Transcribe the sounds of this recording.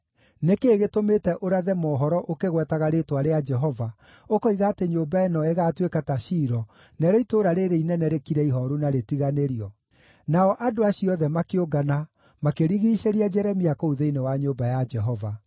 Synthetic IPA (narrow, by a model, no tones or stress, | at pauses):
nekeːɣetometɛʔoɾaðɛmɔːɦɔɾɔʔokeɣwɛtaɣaɾetwaɾead͡ʒɛɦɔva | okoiɣaːteɲoːmbaenɔeɣatwekataʃiːɾɔ | nɛɾɔitoːɾaɾeɾeinɛnɛɾekiɾɛiɦɔɾunaɾetiɣaneɾiɔ | naɔʔadoaɕiɔðɛmakeoɡana | makeɾiɣiːʃeɾiad͡ʒɛɾɛmiakouðeinewaɲoːmbajad͡ʒɛɦɔva